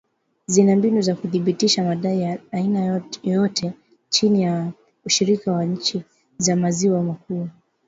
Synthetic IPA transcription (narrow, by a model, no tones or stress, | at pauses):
zinambinuzakuθiɓitiʃamaɗaijaːinajjɔtʰɛ | t͡ʃinija | uʃiɾikawaɲ̩t͡ʃi | zamaziwamakuː